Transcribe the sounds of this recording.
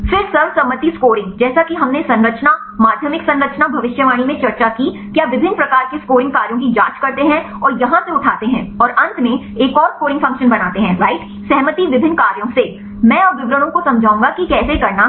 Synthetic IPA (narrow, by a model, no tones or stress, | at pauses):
fɪɾsɐɾʋsɐmːət̪iskoːɾɪ̃ŋɡd͡ʒɛːsakiɦɐmnesɐ̃nɾət͡ʃna | maːd̪ʱjəmɪksɐ̃nɾət͡ʃnabʱɐʋɪʃjəʋaːɽ̃imẽt͡ʃɐɾt͡ʃaki | kjaʋɪbʱɪnːpɾɐkaːɾkeskoːɾɪ̃ŋɡkaːɾjõk̬id͡ʒãːt͡ʃkɐɾt̪eɦɛ̃ | ɔːɾjɐɦãseʊʈʰaːt̪eɦɛ̃ːɔːɾɐ̃nt̪mẽ | eːkɔːɾskoːɾɪ̃ŋɡfɐ̃ŋkʃənbɐnaːt̪eɦɛ̃ɾaːɪʈ | sɛɦmət̪iʋɪbʱɪ̃nːkaːɾjõse | mɛ̃ːɐpʋɪʋɾəɽ̃õkosɐ̃md͡ʒʱaːũŋɡakikɛːsekɐɾna